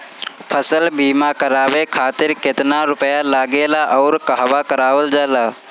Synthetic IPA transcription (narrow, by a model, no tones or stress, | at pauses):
pʰəsəlbiːmakəɾaːʋekʰaːt̪ɪɾket̪naɾʊpəjalaːɡelaʔɔʊɾkəɦʋakəɾaːʋəld͡ʒala